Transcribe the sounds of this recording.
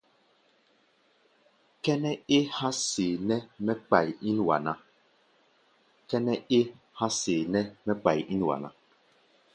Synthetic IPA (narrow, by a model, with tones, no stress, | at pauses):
kɛ˦nɛ˦e˦hã˦seː˨nɛ˦mɛ˦k͡pa˨ji˦n˨wa̰˨na˦ | kɛ˦nɛ˦e˦ | hã˦seː˨nɛ˦mɛ˦k͡pa˨ji˦n˨wa̰˨na˦